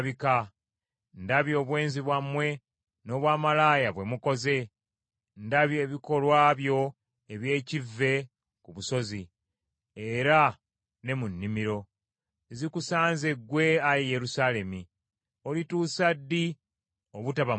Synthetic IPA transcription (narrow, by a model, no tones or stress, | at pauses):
βika | ndaβjo̞ːβwe̞ːnziβwamːwe̞ | no̞ːβwaːmalaːjaβwe̞muko̞ze̞ | ndaβjoeβiko̞lwaːβjo̞ | eβje̞ːcivːe̞ | kuβuso̞zi | eɾa | ne̞munːimiɾo̞ | zikusaːnzeɡwe̞ajejeɾusaːle̞mi | o̞lituːsadːi | oβutaβa